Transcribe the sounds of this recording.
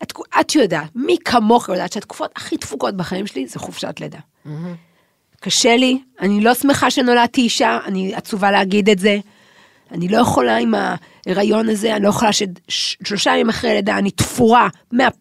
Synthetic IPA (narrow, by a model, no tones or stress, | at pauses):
atkuat̪jodaːtmikʰamo̞χjodaːt̪ʃeat̪ku̥fo̞taχitfuko̞tbeχaimʃelizeχofʃea̰tled̪a | kaʃelianilo̞sme̞χaʃe̞no̞latiːʃaaniat͡suvaleaɡid̪etze̞ | anilo̞jeχo̞laima | eʁajo̞nazeanilo̞jeo̞laʃedʃlo̞ʃajamimaχʁejledaːnit̪fuʁa | mea